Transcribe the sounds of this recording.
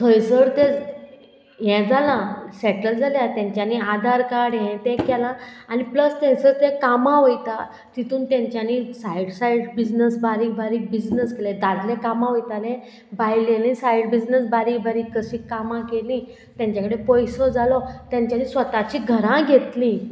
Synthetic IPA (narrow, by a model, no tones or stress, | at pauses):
t̪ʰəjsəɾt̪ɛ̃ | jɛ̃d͡zalãsɛʈəld͡zaljat̪jãɲt͡ɕjaniad̪ʱaɾkaɽɦjɛ̃t̪ɛ̃kɛlãanipləst̪ɛ̃səɾt̪ɛ̃kamãʋəjt̪a | t̪it̪ũːnt̪jãɲt͡ɕjanisajɽsajɖbid͡ʑnəsbaɾiːk̚bʱaɾiːk̚bid͡ʑnəskelɛ̃d̪ad̪lɛ̃kamãʋəjt̪alɛ̃ | bajlelĩsajɽbid͡ʑnəsbaɾiːkbʱaɾiːkːəɕĩkːamãkelĩ | t̪jãɲt͡ɕjakəɽepɔjsɔd͡zʱalɔt̪jãɲt͡ɕjanĩːsʋət̪at͡ɕiːɡʱəɾãɡʱet̪lĩ